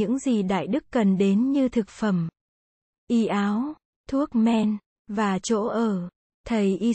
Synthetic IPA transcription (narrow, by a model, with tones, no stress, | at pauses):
ɨ̰˧˥ŋzi˨˩ɗa̰ː˧˨jɗɨ˦˥kːə˨˩nɗe˨˦nɲɨ˧t̪ʰɨ˨˩k̚fə˧˩m | ʔi˧ʔaː˨˦w | t̪ʰu˦˥ək̚mɛ˧n | vaː˨˩t͡ɕo̰˧˥ʔəː˨˩ | t̪ʰə˨˩jʔi˧